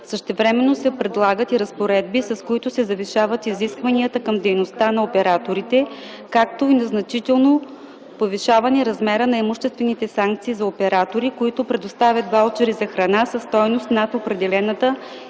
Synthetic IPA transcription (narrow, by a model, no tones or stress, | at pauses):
səʃt̪ɛvɾɛmɛnːosɛpɾɛd̪lˠaɡət̪iɾɐspoɾɛd̪̚bisɐskoit̪ʊsɛzɐviʃavət̪iziskvɐniət̪əkɐmd̪ɛjnost̪anɐopɛɾat̪oɾit̪ɛ | kak̚t̪oinɐznɐt͡ʃit̪ɛlˠno | poviʃavɐnɛɾɐzmɛɾənɐɛmuʃt̪ɛst̪vɛnit̪ɛsaŋk̚t̪siːzɐopɛɾat̪oɾikoit̪ʊpɾɛd̪ost̪avʲət̪vaɔt͡ʃɛɾizɐxɾɐnasɐst̪ɔjnost̪nat̪opɾɛd̪ɛlɛnət̪ə